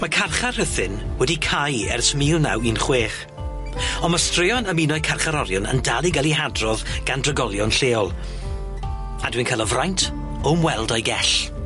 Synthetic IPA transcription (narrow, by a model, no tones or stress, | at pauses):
makʰarχar̥həθɪnwɛdikʰajɛ̰rsmiːlˠna̰winχweːχ | ɔnmastrɪɔnəminɔɨkʰarχaɾɔɾjɔnə̰ndalˠiɡalˠiɦadrɔðɡ̥andrəɡɔlˠjɔnɬeːɔlˠ | adwinkʰalˠɔvrajntʰ | ɔmwɛlˠdɔjɡɛɬ